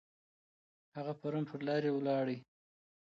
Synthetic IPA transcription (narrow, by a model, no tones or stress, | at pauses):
haɣapaɾunpʰəɾlɑɾewlɑɽə